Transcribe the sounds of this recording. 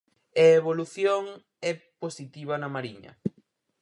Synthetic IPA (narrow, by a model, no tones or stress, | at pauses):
eeβ̞oluθjoŋ | ɛposit̪iβɐnɐmaɾiɲɐ̰